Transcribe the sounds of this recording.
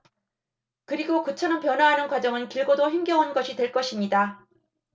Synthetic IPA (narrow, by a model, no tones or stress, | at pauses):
kɯɾiɡokut͡ɕʰʌnɯnpjʌnɦwaɦanɯnkwad͡ʑʌŋɯnkiɭɡodoçjimɡjʌŋɦanɡʌɕʰitweɭk͈ʌɕʰimɲida